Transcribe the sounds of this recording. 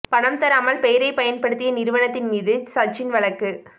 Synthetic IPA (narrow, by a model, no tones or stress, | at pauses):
pɐɳɐmt̪ɐɾaːmɐlpɛjɪɾɐɪpɐjɐnpɐɽɯt̪ːɪjɐnɪɾɯʋɐɳɐt̪ːɪnmiːðɯsɐt͡ʃːɪnʋɐɭɐkːɯ